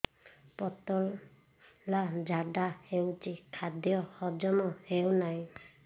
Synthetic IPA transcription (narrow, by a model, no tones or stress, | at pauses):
pɔt̪ɔlː | ad͡ʒʱaɖahewt͡ʃikʰad̪jɔhɔd͡ʒɔmɔhewnaj